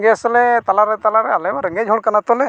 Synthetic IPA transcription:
ɡeslɛt̪alaɾɛt̪alaɾɛalɛbaɾəŋɡed͡ʒɦɔɽkanat̪ɔlɛ

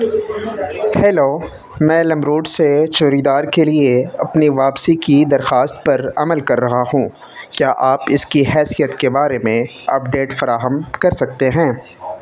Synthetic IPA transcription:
hɛːloː | mɛ̃ːlɐ̃mɾuːɖset͡ʃoːɾid̪aːɾkelieɐpniʋaːpsikid̪ɐɾxaːst̪̚pɐɾɐ̰məlkɐɾːɐɦahũː | kjaːʔaːpɪskiɦɛːsijət̪kebaːɾemẽ | ɐpɖeːʈfɐɾaːɦəmkɐɾsɐk̚t̪eɦɛ̃ː

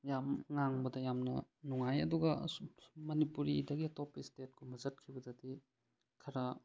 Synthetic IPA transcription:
jamŋaŋbɐdɐjamnɐnuŋajɐ̰duɡɐ | mɐnipuɾidɐɡiɐtopistet̚kʰomɐzɐt̚kʰibɐdɐti | kʰɐɾɐ

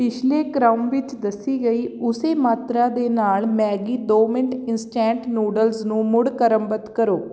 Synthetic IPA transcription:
pɪt͡ʃʰleːkɾaːmʋɪt͡ʃd̪əsːiːɡəiːʊseːmaːt̪ɾaːd̪eːnaːlmɛːɡiːd̪oːmɪɳʈɪnsʈɛ̃ːɳʈnuːɖəlsnũːmʊɽkəɾəmbət̪kəɾoː

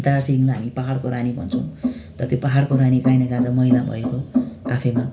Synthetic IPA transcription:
t̪arsiŋlaɦamipaɦaɽkoɾanibʱʌ̰nt͡sʰʌw̃t̪ʌɾʌt̪jopaɦaɽkoɾanikajnekãd͡zʌmʌilabʱʌ̰ekoapʰʌjma

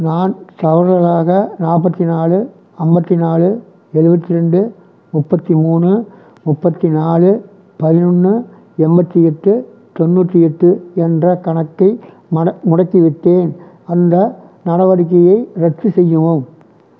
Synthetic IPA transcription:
naːnt̪ɐʋɐɾɣɐɭaːɣɐnaːp̬ːɐt̪ːinaːlɯ | ɐmbɐt̪ːinaːlɯ | ɛɻɯbɐt̪ːɪɾɛɳɖɯ | mʊpːɐt̪ːimuːɳɯ | mʊpːɐt̪ːinaːɭɯ | pɐðɪnɯnːɯ | ɛmbɐt̪ːiɛʈːɯ | t̪ɔnːuːʈːiɛʈːɯɛndrɐkɐɳɐkːɐɪ | mɐɐmʊɽɐkːiʋɪʈ̪ːeːn | ɐnd̪ɐ | nɐɽɐʋɐɽɯk̬ːɐjɐɪɾɛʈt͡ʃːɯsɛjːɯʋoːm

